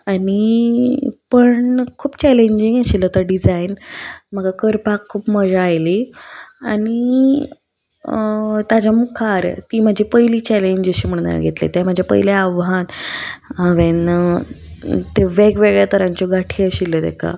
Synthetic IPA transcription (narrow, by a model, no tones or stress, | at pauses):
ani | pəɳkʰuːpt͡ɕɛleɲd͡ʑiŋɡəɕilːət̪əɾɖid͡zainm̤aɡakəɾpakʰːuːpməd͡ʑaːjliani | t̪ad͡ʑamukʰaɾt̪iːmad͡ʑʱipəɦjliːt͡ɕæleɲd͡ʑəɕiːm̤əɽ̃na̰ɾɡʱet̪lḛt̪jaməd͡ʑʱapə̰jlaaʋɦan | aʋen | t̪eʋeɡʋeɡɭjat̪əɾãɲt͡ɕɔɡaʈʰiəɕilːəd̪ḛkʰa̰